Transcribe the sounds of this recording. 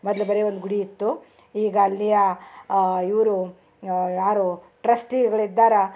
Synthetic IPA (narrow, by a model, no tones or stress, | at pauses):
mɔd̪lɐbɐɾeːʋond̪ɡuɽiit̪ːu | iːɡɐːlːijɐ | iʋɾu | jaːɾu | ʈɾɐsʈiɡɡɐɭid̪ːaːɾɐ